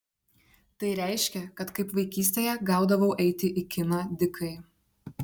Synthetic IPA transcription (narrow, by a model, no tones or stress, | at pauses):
t̪ɐɪɾʲæˑɪʃʲkʲɛkɐt̪kɐɪpʋɐɪkʲiːsʲt̪ʲeːjɛɡɑˑʊd̪ɐʋɐʊʔɛɪt̪ʲɪʔɪkʲɪnɑd̪ʲɪkʰɐɪ